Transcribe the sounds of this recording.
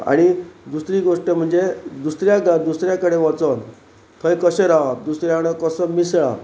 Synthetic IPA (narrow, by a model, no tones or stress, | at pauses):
a̰ɽ̃id̪usɾiːɡoʂʈəm̤əɳd͡zed̪usɾjaɡad̪usɾjakəɽeʋat͡sən | t̪ʰəjkəɕəɾaʋad̪usɾjakəɽekəsəmisɭa̰